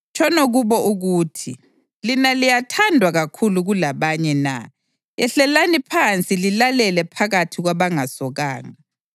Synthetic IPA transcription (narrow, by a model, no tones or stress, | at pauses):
t͡ʃʰʼɔnoɣuβɔʔuɣuːtʰi | linalijatʰandʱwaɣakʰuluɣulaβaɲɛna̰ | ɛɬɛlanipʰant͡sʼililalɛlɛpʰaɣatʰiɣwaβaŋasɔɣaːŋa